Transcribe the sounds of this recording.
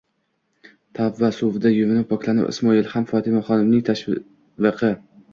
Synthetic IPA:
t̪ʰavːasovɪd̪ajʊvɪnɪppʰɒkʰʲlˠanɪ̰ɪ̰smɒɪlˠhamfɒt̪ʰɪmaχɒnɪmnɪŋt̪ʰaʃ | vɨqʰɨ

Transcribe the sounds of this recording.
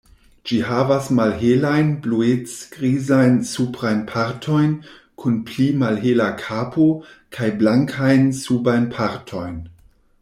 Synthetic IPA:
d͡ʒihavasmalɦelajnbluet͡sɡ̥ɾizajnsupɾajnpʰaɾtʰo̞jn | kʰunplimalɦelakʰapʰo | kʰajblaŋkʰajnsubajnpʰaɾtʰo̞jn

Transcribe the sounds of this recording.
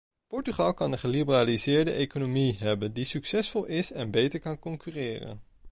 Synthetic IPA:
pɔɹtyχɑlˠkɑnənχəlibəraːlizɪːɹdə̰ʔejkonomiɦɛbəndisyksɛsfɔlˠɪsɛnbejtəɹkɑnkɔŋkyrɪːrə̰n

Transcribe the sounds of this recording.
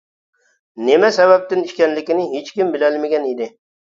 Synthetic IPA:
nemɛsæβæp̚t̪ɪniʃkʲænlɪkʲɪnɪɦet͡ʃkʲɪmbɪlælmeɡʲænid̪ɪ

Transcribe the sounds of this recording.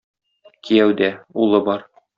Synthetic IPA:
kijæwd̪æulˠɤbɒɾ

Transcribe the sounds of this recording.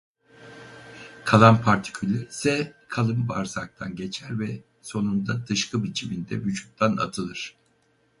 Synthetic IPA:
kʰalˠanpʰaɾt̪ʰi̥cʰylʲɛɾsɛkʰalˠɯmɯbaɾzak̚t̪ʰanɟe̞t͡ʃʰæɾvɛ | so̞nund̪ad̪ɯʃkɯbit͡ʃʰimind̪ɛ̰vyt͡ʃʰu̥k̚t̪ʰana̰t̪ʰɯlˠɯɾ̥

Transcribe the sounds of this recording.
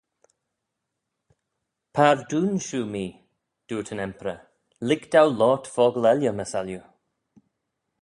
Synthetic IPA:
pʰaɹd̪uːnʃuːmiː | d̪̥uːtʰənɛmpɾə | lɪɡd̪̥awlɔːtfɔːɡəlɛljəməsalju

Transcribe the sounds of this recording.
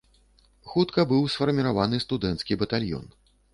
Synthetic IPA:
xut̪kɐbɨwsfɐrmʲiɾavanɨst̪ud̪ɛnt̪skʲibɐt̪alʲjɔ̰n

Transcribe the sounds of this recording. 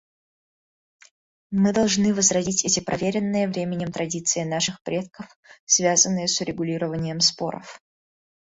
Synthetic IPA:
mɨd̪ɐlˠʐnɨvəzrɐzʲitʲɛtʲɪpɾʔɐvʲeɾʲɪnːɨjəvɾʲemʲɪnʲɪmt̪ɾɐdʲit̪sɨɪnaʂɨxpɾʲʔe̞t̪kəf | svʲazənːɨjəsʊɾʲɪɡʊlʲiɾəvənʲɪjəmspo̞̰ɾə̰f

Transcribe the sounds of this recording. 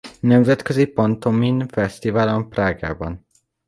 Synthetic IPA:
nɛmzɛt̪køzipɒnt̪ominfɛst̪ivaːlompraːɡa̰ːbɒn

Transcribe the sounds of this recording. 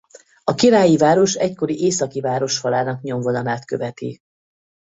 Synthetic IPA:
ɒkiɾaːjivaːɾo̞ʃɛcko̞ɾiʔeːsɒkivaːɾo̞ʃhɒlaːnɒkɲo̞mvo̞d̪ɒnaːt̪kø̞̰vɛt̪ḭ

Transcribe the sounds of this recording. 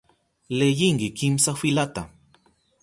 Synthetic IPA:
lejiŋɡikimsafilat̪a

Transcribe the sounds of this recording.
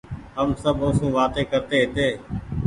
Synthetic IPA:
ɦəmsəbʱoːsũːʋaːt̪eːkəɾt̪eːɦɪt̪eː

